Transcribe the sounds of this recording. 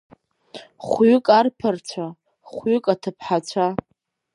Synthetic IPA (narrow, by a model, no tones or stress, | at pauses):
χʷɥʏkʼarpʰɨrt͡ɕʷʰa | χʷɥʏkʼatʰɨpʰħat͡ɕʷʰa